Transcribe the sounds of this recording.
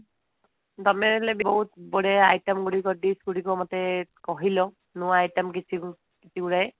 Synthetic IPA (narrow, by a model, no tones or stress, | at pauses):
damɛlɛbibɔɦutbɔɹɛajtamɡuɹikɔdisɡuɹikɔmatɛkɔɦilɔ | nʊajtamkitʰi | kitʰiɡuɹaj